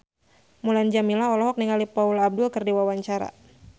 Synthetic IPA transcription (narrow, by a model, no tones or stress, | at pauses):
muland͡ʒamilaɔlɔɦɔk̚niŋalipaulab̚dʊlkɨrdiwawaɲt͡ʃaɾa̰